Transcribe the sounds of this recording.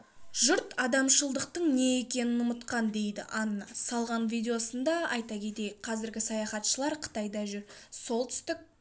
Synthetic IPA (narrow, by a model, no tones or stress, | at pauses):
ʒʊɾt̪ɑd̪ɑmʃəlˠd̪əq̚t̪əɴne̞e̞kʲe̞nɪnʊmət̪qɑnd̪e̞jd̪ɪ̰ʔɑnːɑsɑlˠʁɑnvʲijd̪ʲe̞o̞sənd̪ɑɑjt̪ɑkʲʰe̞t̪e̞jɪk̚qʰɑzɪɾɡʲɪsɑjɑχɑt̪ʃəlˠɑɾqʰə̥t̪ɑjd̪ɑʒʏɾso̞lˠt̪ʰʏ̥st̪ɪk̚ʲ